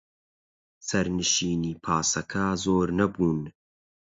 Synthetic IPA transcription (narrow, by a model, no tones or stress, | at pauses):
sɐɾnɨʃiːniːpʰaːsɐkʰɐzoːɾnɐbuːn